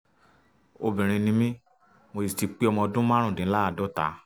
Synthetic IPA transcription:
o˧bĩ˨ɾ̃ĩ˧nĩ˧˦mĩ˦ | mo˧i˨ti˨˧k͡pi˦ɔ˧mɔ̃˧ɔ˧dũ˦mã˦ɾ̃ũ˦˨dĩ˨˦la˦a˧˨dɔ˦ta̰˨˦

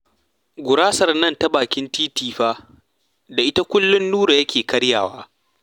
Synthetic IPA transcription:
ɡʷʊ˨ɾaː˦sɐ˨rnɐ˦ntɐ˦baː˨kʲɪ˦ntiː˦tiː˦ɸaː˦ | da˨ʔɪ˦ta˦kʷʊ˦lːʊ˦nːuː˦ɾa˨jɐ˦kʲeː˨kɐ˦ɽja̰ː˨waː˦

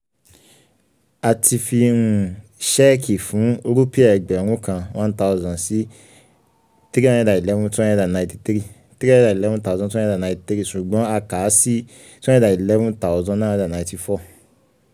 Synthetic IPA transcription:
a˨tʰi˧fi˧nũ˨˧ʃɛ˦kʰi˨fũ˨˦ɾu˦pi˦ɛ˨ɡ͡bɛ˨ɾ̃ũ˦kã˧wã˦n˦ta˧ɔ˧zã˨si˦ | tɾi˦ã˦ɛ̃˦da˨i˨lɛ˦vũ˦tɔ̃˦ɛ̃˧˦da˨nã˨˧ĩ˧ti̥˧tɾi˦ | ti˦ɾi˦a˦ɛ˦da˨i˨lɛ˦vɔ̃˦ta˨˦zɔ̃˧˦tũ˦ɛ̃˦˧da˨nã˨˧ĩ˧ti˧tɾi˦ʃu˨ɡ͡bɔ̃˨˦a˧ka˨˦si˦ | tɛ̃˦da˨i˨lɛ˦vɔ̃˦ta˨wzɔ̃˧˦nãː˦˨ɛ̃˧da˨nã˨˧ĩ˧ti˧fɔ˦˨

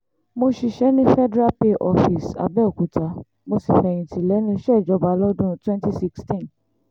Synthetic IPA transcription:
mo˧ʃi˧ʃɛ˦nĩ˦fɛ˦dɾa˦pe˧ʔɔ˧fi˨sa̰˨bɛ˦o˨ku˨˦ta˨˦ | mo˧si˨fɛ˨j̃ĩ˨tʰĩ˨lɛ˨˦nĩ˦ʃɛ˦˨d͡ʒɔ˨˧ba˨˧lɔ˦dũ˦twɛ̃˦nti˦si˦kstĩ˦˨n

